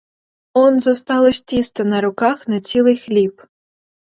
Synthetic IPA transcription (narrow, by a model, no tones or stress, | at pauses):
onzost̪ɑlˠosʲt̪ʲist̪ɤ̆nɑɾukɑχnat͡sʲilʲˠɨjxlʲip